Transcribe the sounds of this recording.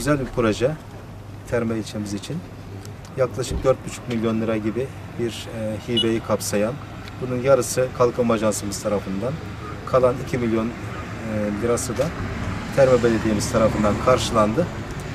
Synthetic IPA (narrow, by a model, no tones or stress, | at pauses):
ɟyzælʲbikʰuɾad͡ʒa | t̪ʰæɾmɛilʲt͡ʃʰemizit͡ʃʰin | jaklˠaʃɯk̚d̪øɾt̪̚byt͡ʃʰy̥cmilʲjo̞nlːʲˠɯɾaɟibi | biɾhibejikʰapsajan | bununjaɾɯsɯkʰalˠkʰɯmaʒansɯmɯzt̪ʰaɾafɯnd̪an | kʰalˠanicʰimilʲjo̞n | lʲɯɾasɯd̪at̪ʰæɾmɛbe̞lʲed̪iːimiz̥t̪ʰaɾafɯnd̪ankʰaɾʃɯlˠand̪ɯ